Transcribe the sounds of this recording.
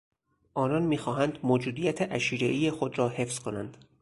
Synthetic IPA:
ʔɒːnɒːnmiːxɒːɦænd̪moːd͡ʒuːd̪ijæt̪ʰeʔæʃiːɾeʔiːjexod̪rɒːhe̞fz̥kʰo̞næ̰nd̪̥

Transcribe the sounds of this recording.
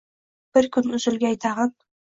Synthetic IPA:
b̥ɪɾkʰʲʊnʊzɪlɡʲaːjt̪ʰɑʁɑn

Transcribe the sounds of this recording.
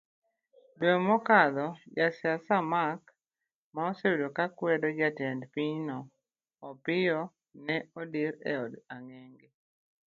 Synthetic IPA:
dwɛmɔkad̪ɔd͡ʒasjasamak | maɔsewudokakwɛdɔd͡ʒatɛndpiɲnɔː | pɪjɔ | nɛɔdiɾɛ̰ɔdaŋeŋɡɪ

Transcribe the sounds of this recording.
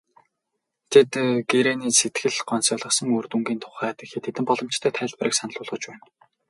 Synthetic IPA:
t̪ʰet̪ɡeɾeniːset̪ɡɘ̆ɮɢɔnsɔɮʁɞ̆sə̆ŋoːrt̪uŋɡiːnt̪ʰʊ̥χæːt̪ĕxeːt̪ʰːet̪ɘ̆mpɔɮɞ̆m̥t͡ɕt̪ʰæːt̪ʰæːɮpəɾiːksanɮʊːɮʁə̆t͡ɕpæːn

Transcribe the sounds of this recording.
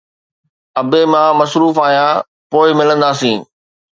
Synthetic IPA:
ɐbemãmɐsɾuːfaːjãː | poːɪmɪlə̃nd̪aːsĩː

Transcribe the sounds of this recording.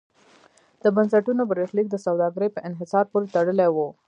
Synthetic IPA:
d̪̥əbansaʈunobaɾexlik̚d̪əsawd̪ɑɡəɾəjpəʔɪnɦɪsɑɾpoɾet̪aɽəlewo

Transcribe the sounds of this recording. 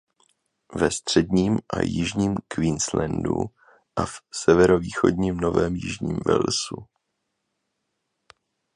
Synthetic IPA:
vɛst̪r̝̥ɛdɲiːmʔajɪʒɲiːmkviːnslɛndṵ | ʔafsɛvɛɾo̞viːxo̞̰dɲimno̞vɛːmjɪʒɲḭːmvɛ̰lsu

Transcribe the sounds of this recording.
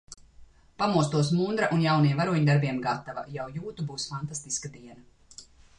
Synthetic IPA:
pamuɔst̪uɔs̬mund̪ɾaʔunjawnijɛmvaɾuɔɲd̪aɾbiɛmɡat̪ava̰jawjuːt̪ubuːsfant̪ast̪iskad̪iɛna

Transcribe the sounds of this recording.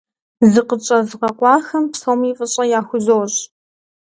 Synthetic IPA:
zɨqət͡ʃʼɐzqɐqʷɑːxɐmpsɐwmiːfʼɨɕʼɐjaːxʷʊzowɕ

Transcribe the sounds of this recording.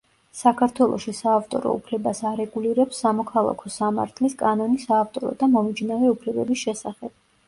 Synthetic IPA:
sakʰaɾt̪ʰwɛlˠʔɔ̰ʃisaːft̪ʼɔ̰ɾɔ̰ṵpʰlɛbasaɾɛɡuliɾɛpsːamɔkʰalˠa̰kʰɔsama̰ɾt̪ʰliskʼanɔnisaːft̪ʼɔɾɔ̰d̪amɔmid͡ʒnavɛupʰlɛbɛbisʃɛsaχɛb̥̚

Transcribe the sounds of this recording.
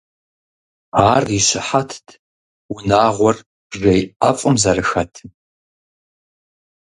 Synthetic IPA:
aːriɕɪħatʰtʰ | ʊnaːʁʷɔr | ʐejʔafʼʊmzɐrɨxɐtʰ

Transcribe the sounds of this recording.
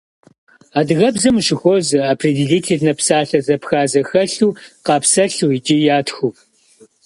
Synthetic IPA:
aːdɨɣɐbzɨmʃɪxʷozɨaːpʰridiɮiːtʰiːɮnɐpsaːɬɐzɐpxaːzɐxɐɬuːqɑːpsɐɬuːid͡ʒʼijaːtʰxuːp

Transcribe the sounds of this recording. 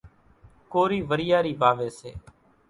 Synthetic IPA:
koːɾiːʋəɾɪjaːɾiːʋaːʋeːsḛː

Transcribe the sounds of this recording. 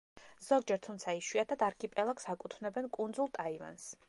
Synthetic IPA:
z̥ɔɡ̚d͡ʒɛɾt̪ʰumt̪sʰaiʃwiat̪ʰad̪aɾkʰipʼɛlˠaksakʼut̪ʰvnɛbɛnkʼund̪zulˠt̪ʼaiva̰ns

